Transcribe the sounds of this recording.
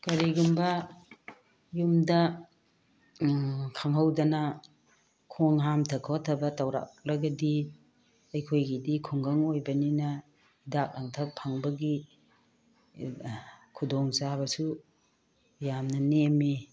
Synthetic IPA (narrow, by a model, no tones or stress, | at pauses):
kɐɾiɡumbɐ | jumdɐ | kʰaŋɦawdɐnɐ | kʰoŋɦamtʰɐkʰawtʰɐbɐtawɾa̰k̚laɡɐdi | ɐjkʰojɡidikʰuŋɡaŋojbɐninɐ | idak̚laŋtʰɐpʰaŋbɐɡi | kʰudoŋzabɐsu | jamnɐnemi